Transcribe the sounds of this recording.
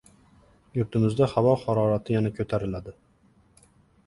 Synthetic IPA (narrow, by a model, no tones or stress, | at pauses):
juɾt̪ʰɪmɪzd̪ɛχɑvɑχɑɾɑːɾɑt̪ʰɪjɛnɛkʲʰɵt̪ʰæɾɪlad̪ɪ